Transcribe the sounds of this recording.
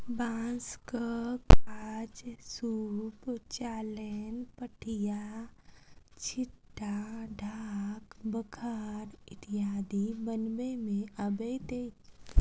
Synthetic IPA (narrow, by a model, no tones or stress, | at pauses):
bãːnskəkad͡ʒsuːpt͡ʃaːlenpəʈʰija | t͡ʃʰɪʈːaɖʱaːkbəkʰaːɾɪʈ̪ijaːd̪ibənbemẽəbet̪eːt͡ʃ